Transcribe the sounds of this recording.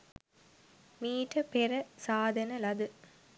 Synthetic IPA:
miːʈɐpeɾɐsaːd̪ʱɐnɐlɐd̪ɨ

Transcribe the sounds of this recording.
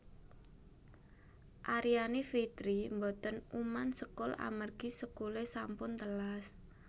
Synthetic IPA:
ʔaɾianifit̪ɾimbɔt̪ənumansəkʊla̰mərɡ̥isəkulesampʊnt̪əlas

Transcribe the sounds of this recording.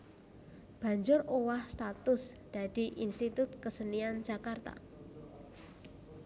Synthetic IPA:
b̥ä̤ɲd͡ʒʊrowahst̪at̪ʊsd̪̥a̤d̪̥i̤ʔinst̪it̪ʊt̪̚kəsənian̥d͡ʒ̥a̤kart̪a̰

